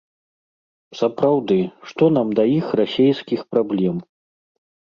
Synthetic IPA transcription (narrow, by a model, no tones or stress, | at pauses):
sɐpɾawd̪ɨʂt̪ɔnamd̪ɐjixrasʲejskʲixpɾablʲɛm